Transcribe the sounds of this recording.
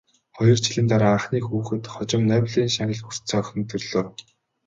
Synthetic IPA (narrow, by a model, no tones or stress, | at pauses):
χɔjɞ̆r̥t͡ɕʰiɮɘ̆nt̪aɾaːaɴχniːxuːxɘ̆t̪χɔt͡ɕɪ̆mnœːwɮiːnʃaŋɣʲə̆ɮxur̥tt͡sœːxʲɞ̆nt̪ʰɵrɮoː